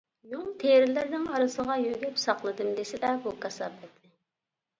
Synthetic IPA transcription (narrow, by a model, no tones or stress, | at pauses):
juŋt̪ʰeɾɪlɪɾnɪŋɑɾɨsəʁɑjøɡ̪ʲɛpsɑqlˠɨd̪ɨmd̪esɪd̪ɛbukʰɑsɑbɛt̪ːɪ